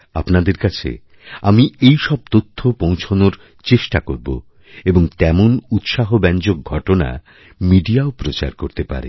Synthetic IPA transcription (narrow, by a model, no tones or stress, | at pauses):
a̰pnad̪eɾkat͡ɕʰḛ | amiejʃɔb̚t̪ot̪ʰːopõw̃t͡ɕʰonoɾ | t͡ɕeʃʈakoɾbo̰ | eboŋt̪ɛmonut̪ʃaɦobɛnd͡ʑok̚ɡʱɔʈona̰ | miɖiaopɾot͡ɕa̰ɾkoɾt̪epa̰ɾḛ